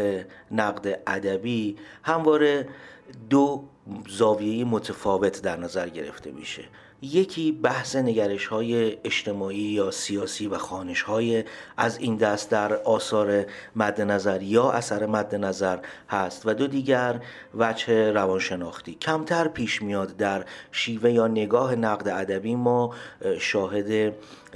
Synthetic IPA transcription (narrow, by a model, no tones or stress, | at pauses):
enæɣd̪e̞ʔæd̪æbiːhæmvɒːɾe̞d̪ozɒːvijejemot̪ʰefɒːve̞t̪ʰd̪æɾnæzæɾɟe̞̰ɾe̞̰ft̪ʰe̞̰mḭʃḛ | je̞cʰiːbæhse̞ne̞ɟæɾeʃhɒːje̞ːʃt̪ʰe̞mɒːiːjɒːsijɒːsiːvæxɒːne̞ʃhɒːjeæziːnd̪æst̪̚d̪æɾɒːsɒːɾe | mæd̪ːe̞næzæɾjɒːʔæsæɾe̞mæd̪ːe̞næzæɾhæst̪væd̪o̞d̪iːɟæɾ | væd͡ʒhe̞ɾævɒnʃe̞nɒːxt̪iːcʰæmt̪ʰæɾpʰiːʃmijɒːd̪ːæɾʃiːve̞jɒːne̞ɡɒːɦe̞næɣd̪eæd̪æbiːmɒːʃɒːɦed̪e̞